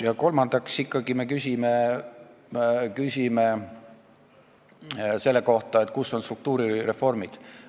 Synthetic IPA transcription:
jɑko̞lmɑnd̪̥ɑksikːɑɡime̞kysʲime | kysʲime | se̞lːeko̞ht̪ɑe̞t̪ˑkuso̞nst̪ruk̚t̪uːɾiɾe̞fo̞rmid̪̥

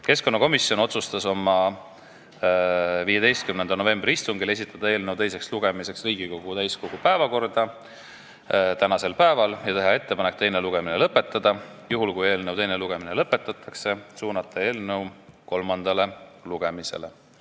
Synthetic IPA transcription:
ke̞sko̞nːɑko̞misːjo̞no̞t̪sust̪ɑso̞mːɑ | viːjed̪ejst̪̚kymnend̪ɑno̞ve̞mbrʲiist̪uŋɡile̞s̬ʲit̪ːˑɑd̪̥ɑe̞ːlnewt̪e̞jse̞ksluɡ̥e̞mise̞ksriːɡiko̞ɡ̥ut̪æjsko̞ɡ̥upæevɑko̞rd̪̥ɑ | t̪ænɑse̞lpæevɑljɑt̪e̞ɦɑe̞t̪ːe̞pɑne̞k̚ːt̪e̞jne̞luɡ̥e̞minelɤpːe̞t̪ːˑɑd̪̥ɑjuɦulkuje̞ːlnewt̪ejneluɡ̥e̞minelɤpːe̞t̪ːˑɑt̪ʰːˑɑkse̞suːnɑt̪ːˑɑe̞ːlnɤwko̞lmɑnd̪̥ɑle̞luɡ̥e̞mise̞̰le̞

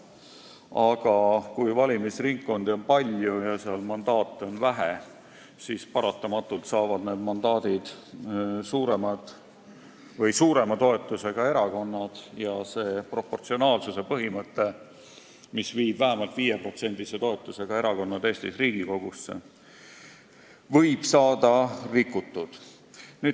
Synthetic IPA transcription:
ɑɡ̥ɑkujvɑlʲimisriŋkːo̞nd̪io̞npɑlʲjujɑseɑlmɑnd̪̥ɑːt̪ːˑeo̞nvæɦe | sispɑɾɑt̪ˑːɑmɑt̪ːˑult̪sɑːvɑd̪ne̞ːd̪mɑnd̪ɑːd̪̥id̪̥ | suːɾe̞mɑd̪̥ | vɤjsuːɾe̞mɑt̪o̞e̞t̪ːˑuse̞ɡ̥ɑe̞ɾɑko̞nːɑd̪̥jɑse̞ːpro̞pːo̞rt̪sio̞nɑːlsuse̞pɤɦimɤt̪ːe̞ | misviːb̥væɦæmɑlt̪viːjepro̞t̪se̞nʲd̪̥iset̪o̞e̞t̪ˑːuse̞ɡ̥ɑe̞ɾɑko̞nːɑd̪̥e̞ːst̪isriːɡ̥iko̞ɡ̥usːḛ | vɤjb̥sɑːd̪̥ɑrikːˑut̪ːˑud̪̥ | nyː

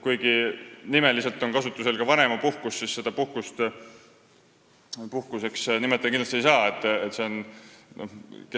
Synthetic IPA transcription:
kujɡinime̞lise̞lt̪ːˑo̞nkɑsut̪ːˑuse̞lkɑvɑne̞mɑpuhkusːisse̞d̪̥ɑpuhkust̪ | puhkuse̞ksnimet̪ːˑekinɑst̪ie̞jsɑːet̪ːˑet̪ːse̞onnʔo̞̰hke

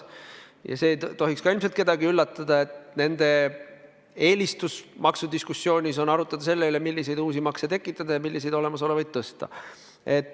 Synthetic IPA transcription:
jɑ̰se̞ːjt̪o̞ɦikskɑilmselt̪̚ke̞d̪̥ɑɡiylːɑt̪ːˑɑd̪̥ɑe̞t̪ne̞nd̪̥e̞ | e̞ːlist̪usmɑksud̪̥iskusːjo̞ːnʲiso̞nɑɾut̪ːˑɑd̪̥ɑse̞lːelemilʲːise̞jd̪uːsimɑkset̪e̞kːˑit̪ˑːɑd̪̥ɑjɑmilːise̞jd̪o̞lemɑso̞le̞vɑjd̪̥̚t̪ɤst̪ɑ̰ | e̞t̪ːˑ

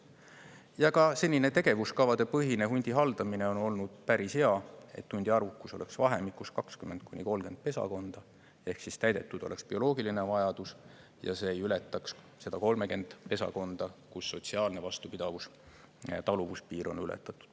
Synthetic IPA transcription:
jɑkɑse̞lʲːine̞t̪e̞ɡe̞vuskɑvɑd̪e̞pɤɦine̞ɦunʲd̪̥ʲiɦɑld̪ɑmine̞o̞no̞lnud̪̥̚pæɾisheɑe̞̰t̪ːunʲd̪̥iɑɾukːuso̞lʔe̞ksvɑɦe̞mikːˑuskɑkskymːe̞nd̪̥̚kunʲiko̞lɡe̞nd̪̥̚pe̞sɑ̰ko̞nd̪̥ɑ | e̞hksist̪æjd̪̥e̞t̪ːˑud̪o̞̰le̞kspio̞lo̞ːɡilinevɑjɑd̪̥us | jɑ̰se̞ːjylet̪ːˑɑks | se̞d̪̥ɑko̞lme̞ke̞nd̪̥pe̞sɑ̰ko̞nd̪̥ɑkusːo̞t̪ʲsiɑːlne̞vɑst̪upid̪̥ɑvus | t̪ɑluvuspiːɾo̞nylɛ̰t̪ːˑɑt̪ːˑu̥d̪̥

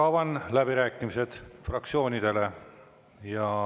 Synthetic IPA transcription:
ɑwvɑnlæbiɾæːkːˑimise̞d̪̥frɑk̚t̪sio̞ːnʲid̪̥e̞le̞ | jɑ

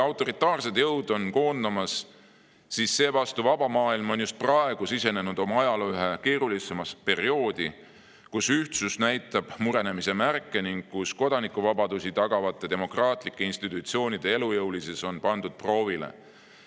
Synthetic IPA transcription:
ɑwt̪ːˑo̞ɾit̪ːˑɑːrse̞d̪jɤwd̪̥o̞nko̞ːnd̪̥ɑmɑs | sisːe̞ːvɑst̪uvɑb̥ɑmɑːilmo̞njust̪̚prɑe̞ɡ̥usise̞ne̞nud̪̥o̞mɑɑjɑlyɦe̞ke̞ːɾulise̞mɑspe̞ɾio̞ːd̪̥i | kusyht̪susnæjt̪ːˑɑb̥muɾe̞ne̞mise̞mærkːe̞niŋɡ̚kusko̞d̪̥ɑnikːˑuvɑbɑd̪usit̪ɑɡ̥ɑvɑt̪ːˑe̞d̪e̞mo̞krɑːt̪ˑlikːˑeinst̪it̪ːˑut̪sio̞ːnid̪̥e̞e̞lujɤwlise̞so̞npɑnd̪ud̪̥̚pro̞ːvilḛ

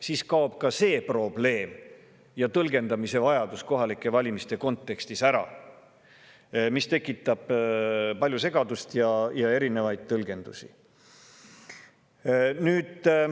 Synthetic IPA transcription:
siːskɑob̥̚kɑse̞ːpro̞b̥le̞ːm | jɑt̪ɤlɡe̞nd̪̥ɑmise̞vɑjɑd̪̥usko̞ɦɑlikːˑe̞vɑlʲimist̪e̞ko̞nt̪ːˑe̞kst̪isæɾɑ̰ | mist̪e̞kːˑit̪ːˑɑb̥pɑlʲjuse̞ɡ̥ɑd̪ust̪jɑjɑe̞ɾine̞vɑjd̪̥̚t̪ɤlɡ̥e̞nd̪̥usi | nyːd̪̥

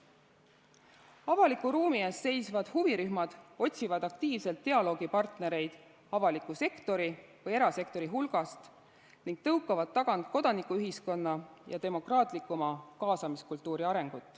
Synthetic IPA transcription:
ɑvɑlikːˑuɾuːmieːsse̞jsvɑd̪̥huviɾyɦmɑd̪̥o̞t̪ʲsivɑd̪̥ɑkt̪iːvse̞lt̪ːe̞ɑlo̞ːɡ̥ipɑrt̪ne̞ɾe̞jd̪̥ | ɑvɑlikˑːuse̞kt̪o̞ɾi | vɤje̞ɾɑse̞k̚t̪o̞ɾiɦulɡ̥ɑst̪ | niŋɡ̥̚t̪ɤwkːˑɑvɑd̪̥̚t̪ːɑɡ̥ɑnt̪̚ko̞d̪ɑnikːˑuyɦisko̞nːɑjɑ̰t̪e̞mo̞krɑːt̪ˑlikːˑumɑkɑːsɑmiskult̪ːˑuːɾiɑɾe̞ŋɡ̥ut̪ːˑ

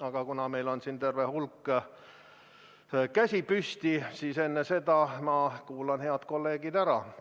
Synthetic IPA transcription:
ɑɡ̥ɑkunɑme̞jlo̞nsint̪e̞rvehulkː | kæsʲipyst̪isiːse̞nːese̞d̪̥ɑmɑkuːlɑnhe̞ɑd̪̥ko̞lːe̞ːɡ̥id̪æɾɑ

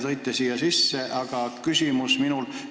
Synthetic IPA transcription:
t̪ɤjt̪ːˑesiːjɑsisːeʔɑɡ̥ɑkysʲimusminul

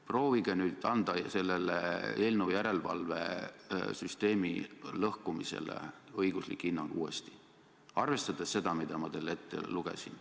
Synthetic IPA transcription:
pro̞ːviɡ̥enyːd̪̥ɑnd̪̥ɑse̞lːelḛeːlnujæɾe̞lvɑ̰lve̞̰ | syst̪e̞ːmḭlɤhkumise̞̰lḛɤjɡ̥uslikˑːinːɑluːe̞̰st̪i̥ | ɑrve̞st̪ɑd̪̥esse̞d̪̥ɑmid̪̥ɑmɑt̪elːe̞t̪ːe̞̰luɡ̥e̞̰sin

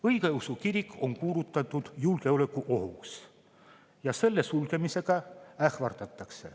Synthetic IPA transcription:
ɤjkeɤwsukiɾikːˑo̞ŋkuːɾut̪ːˑɑt̪ːˑud̪̥julkeolekːˑuʔoɦṵks | jɑse̞lːesulkemise̞ɡ̥ɑæhvɑrt̪ɑt̪ːˑɑkse̞̰

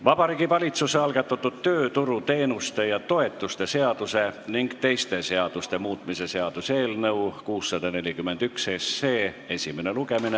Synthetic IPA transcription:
vɑb̥ɑɾiːɡivɑlʲit̪suseɑlɡ̥ɑt̪ːˑɑt̪ːud̪t̪ø̞ːt̪uɾut̪e̞ːnust̪e̞jɑt̪o̞e̞t̪ːˑust̪e̞se̞ɑd̪̥use̞niŋɡ̥t̪e̞jst̪e̞se̞ɑd̪̥ust̪e̞muːt̪ˑmise̞se̞ɑd̪̥use̞ːlnɤukuːsːɑd̪̥ɑne̞lʲikymːed̪̥yksesːe̞ː | e̞sʲimene̞luɡe̞mine

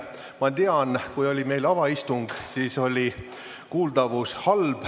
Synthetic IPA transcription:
mɑt̪iɑnkujo̞lʲime̞jlɑvɑist̪uŋɡ̥siːso̞lʲi | kuːld̪̥ɑvushɑlb̥

